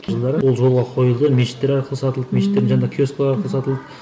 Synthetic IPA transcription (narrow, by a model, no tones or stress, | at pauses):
ʒəlˠd̪ɑɾəwo̞lˠʒo̞lˠʁɑqʰo̞jəlˠd̪əmeʃɪ̥t̪ːe̞ɾɑɾqəlˠəsɑt̪əlˠd̪əmeʃɪ̥t̪ːe̞ɾnʒɑnd̪ɑkʲʰjoskolˠɑɾɑɾqəlˠəsɑt̪əlˠd̪ə